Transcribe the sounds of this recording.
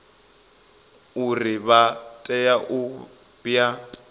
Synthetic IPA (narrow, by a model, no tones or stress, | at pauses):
urɪβatʼɛjaʔʊ | b̥ja